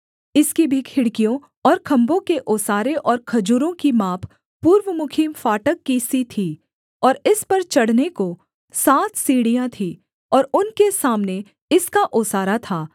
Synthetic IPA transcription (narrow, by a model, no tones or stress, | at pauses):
ɪskibʱikʰɪɽkijõ | ɔːɾkʰɐ̃mbõkeʔoːsaːɾeʔɔːɾkʰɐd͡ʒuːɾõkimaːpʰ | puːɾʋəmʊkʰiːmfaːʈəkːisit̪ʰiː | ɔːɾɪspɐɾt͡ʃɐɽ̤neko | saːt̪ʰsiːɽijãt̪ʰi | ɔːɾʊnkesaːmne | ɪskaʔoːsaːɾat̪ʰaː